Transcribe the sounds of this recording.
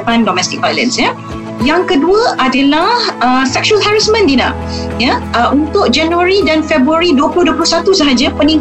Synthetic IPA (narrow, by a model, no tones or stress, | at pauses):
pandɔmɛst̪ɪk̚ajlə̰̃nsɲə | jaŋkəduəʔadəlahəsɛk̚ʃualɦaɹismə̃ndinã̰ | jəʔunt̪ʊk̚d͡ʒanuəɾidanfɛbɾuaɾiduəplʊhduəplʊhsat̪usəɦad͡ʒəpənĩŋ